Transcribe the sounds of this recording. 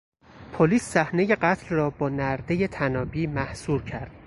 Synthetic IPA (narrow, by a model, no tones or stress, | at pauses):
pʰoliːsːæhne̞je̞ɢæt̪ʰlrɒːbɒːnæɾd̪e̞je̞t̪ʰænɒːbiːmæhsuːɾcʰæɾd̪̥̚